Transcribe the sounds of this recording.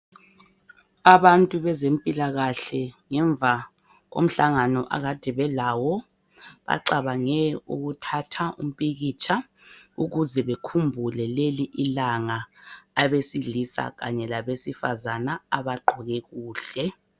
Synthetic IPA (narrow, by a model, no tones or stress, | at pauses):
aβantʼuβɛzempʼilaɣaɬɛŋɛɱb̪vʱa | ɣo̰m̩ɬaŋanɔʔa̰ɣad̥ʱɛβɛlawɔ | βa̰ǀaβaŋɛṵɣutʰatʰaʔṵm̩pʼiɣit͡ʃʰʼa | uɣuzɛβekʰumbʱulɛleliʔilaŋaː | βesiɮisa̰ɣa̰ɲɛlaβesifazanaaβaǃʱɔɣɛɣuːɬɛ